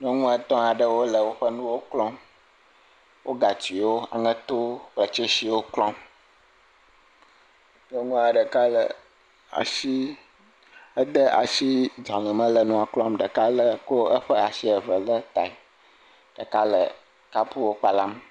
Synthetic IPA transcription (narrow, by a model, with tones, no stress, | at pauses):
n˦ũ˦ŋũ˦ɛ˨t̪ɔ̃˦a˨ɖə˦wo˦lə˨wo˦ɸə˦nũ˦wo˦klɔ̃˦m | wo˦ɡa˨t͡ɕi˨wo˦a̰˨ŋɛ̃˦t̪o˦k͡plə˨t͡ʃe˦si˨wo˦klɔ̃˦m | n˦ɛ˦ŋũ˦a˨ɖə˨ka˦lə̰˨ | a̰˨si˦ | ə˦d̪ə˦a̰˨ʃi˦d͡ʒã˨lɛ̃˨mə̃˦lə˨nũ˦a˨klɔ̃˦mɖə˨ka˦lə˦ko˦ə˦ɸə˦a˨si˦ɛ˨və˨lə˦t̪a˨i˨ | ɖ̥ə˨ka˦lə˨ | ka˦pu˦wo˦k͡pa˨la˦m